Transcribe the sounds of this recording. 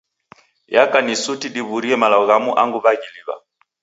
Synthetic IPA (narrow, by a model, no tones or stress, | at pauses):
jakanisutiɗiβuɾiɛmalaɔɣamuʔaŋɡuβaɡiliβa̰